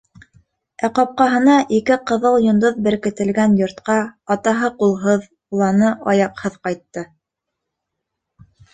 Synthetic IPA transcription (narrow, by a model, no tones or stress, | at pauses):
æqɑp̚qɑɦɤ̆nɑʔikɘqɤ̆ðɤlˠjŏnd̪oðbɘ̆ɾkɘ̆t̪ɘ̆lɡænjŏɾt̪qɑɑt̪ɑɦɤqulˠɦɤð | ulˠɑnɤʔɑjɑqhɤðqɑjt̪ːɤ